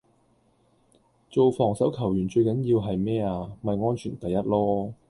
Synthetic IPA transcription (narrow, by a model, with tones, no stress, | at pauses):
t͡so˨˧wfɔː˨˩ŋsɐ˨˥wkʰɐ˨˩wjyː˨˩nt͡ʃɵ˧ɥkɐ˨˥njiː˧wɦɐ˨jmɛː˥aː˧mɐ˨jŋɔː˥nt͡ʃʰyː˨˩nt̪ɐ˨jɐ˥t̚lɔː˥